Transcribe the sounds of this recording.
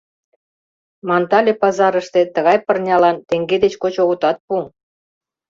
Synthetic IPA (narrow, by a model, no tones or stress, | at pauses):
mɑnt̪ɑlʲepɑzɑɾəʃt̪ĕt̪əɣɑjpərnʲɑlɑnt̪eŋɡed̪et͡ɕkot͡ɕoɣŏt̪ɑt̪̚pu